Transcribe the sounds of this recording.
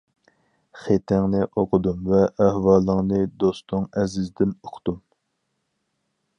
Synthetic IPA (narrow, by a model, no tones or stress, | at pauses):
χet̪ʰɪŋnɨʔoqʰʊd̪umvɛʔːhwɑːlˠəŋnɨd̪ost̪ʊŋɛzɪzd̪ɪnʊχʰt̪um